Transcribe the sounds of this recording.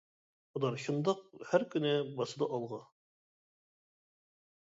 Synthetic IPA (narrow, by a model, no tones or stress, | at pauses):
ŏlˠɑɾɕŏnd̪ɑq̚hæɾkɵ̆nɘbɑsɤ̆d̪ɑʔɒlˠʁɑ